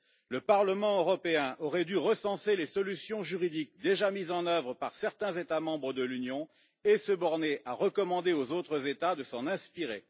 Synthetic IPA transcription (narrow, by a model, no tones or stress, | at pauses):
ləpaʁləmɑ̃øʁɔpeɛ̃ʔɔʁɛd̪yʁəsɑ̃selesɔlysjɔ̃ʒyʁid̪ik̚d̪eʒamizɑ̃nœvʁəpaʁsɛʁt̪ɛ̃zet̪amɑ̃bʁəd̪əlynjɔ̃ | esəbɔʁneʔaʁəkɔmɑ̃d̪eozot̪χəzet̪ad̪əsɑ̃nɛ̃spiʁḛ